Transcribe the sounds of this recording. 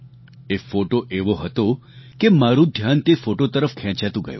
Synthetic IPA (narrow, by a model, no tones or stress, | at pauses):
efoʈoʔeʋoɦət̪o | kemaɾũd̪ʱjant̪efoʈot̪əɾəfkʰɛ̃t͡ʃat̪ũɡə̰jṵ̃